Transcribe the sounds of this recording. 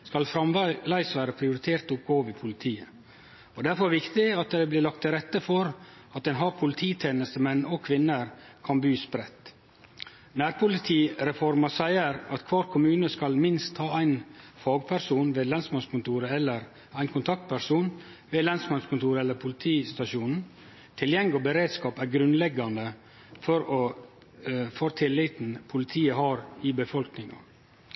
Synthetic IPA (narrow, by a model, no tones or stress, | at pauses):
skɑlfɾɑmlæɪsʋæːɾəpʰɾɪʊɾɪt̪ʰeːɾt̪ʊp̚ɡoːʋɪpʰʊlɪt̪ʰiːə | ɔd̪æɾfɔɾʋɪkt̪ɪɑt̪̚d̪æblɪːlɑk̚t̪ʰːɪɾɛt̪ːəfɔɾ | ɑt̪̚ɛɪnɦɑɾpʰʊlɪt̪ʰiːt̪ʰeːnəst̪əmɛnːɔkʰʋɪnːəɾkʰɑnbyːspɾɛt̪ː | næːɾpʰʊlɪt̪ʰiːɾɛfɔɾmɑsæɪəɾɑt̪kʰʋɑːɾkʰʊmʉːnəskɑlmɪnst̪hɑːæɪnfɑːɡpʰæɾsuːnʋeːlɑnsmɑnskʊnt̪uːɾəɛlːəɾ | æɪnkʰʊnt̪ʰɑk̚t̪̚pʰæɾʂuːn | ʋeːlɑnsmɑnskʰʊnt̪uːɾəɛlːəɾpʰʊlɪt̪ʰiːst̪ɑʃuːnn̩ | t̪ʰɪljɛŋɪɔbəɾeːd̪skɑːpæɾɡɾʉnlɛɡɑnd̪ə | fɔɾɔ | foːɾt̪ʰɪlːɪt̪n̩pʰʊlɪt̪ʰiːəhɑːɾɪbəfɔlknɪŋɑ̰